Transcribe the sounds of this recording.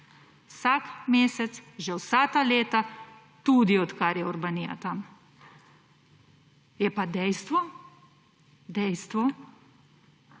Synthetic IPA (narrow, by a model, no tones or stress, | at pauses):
sakmeːsɛt̪sʒɛwsat̪aleːt̪a | t̪ud̪iɔt̪kaɾjɛɔɾbanija̰t̪am | jɛpad̪ɛjst̪ʋɔ | d̪ɛjst̪ʋɔ